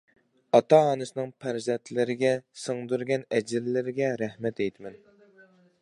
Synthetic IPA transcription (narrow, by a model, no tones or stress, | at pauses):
ɑt̪ɑːnɨsɨnɨŋpʰæɾzɛnt̪ʰlɪɾɪɡʲɛsɨŋd̪yɾɡʲɛnɛd͡ʒɪlːɪɾɪɡʲɛɾæhmɛt̪ejt̪ʰɪmɛn